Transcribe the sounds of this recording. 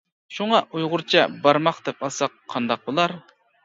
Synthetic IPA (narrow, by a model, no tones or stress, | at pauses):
ʃuŋɑʔujʁʊɾt͡ʃʰɛbɑɾmɑχd̪̥ɛpɑlˠsɑqʰːɑnd̪ɑq̚bolˠɑɾ